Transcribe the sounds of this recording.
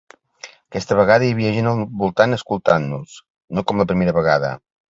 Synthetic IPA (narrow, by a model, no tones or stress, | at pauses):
əkɛst̪əβəɣaðəiəβ̞iəʒenəlˠβulˠt̪anəskulˠt̪anːus | nokɔmləpɾimeɾəβəɣaðə̰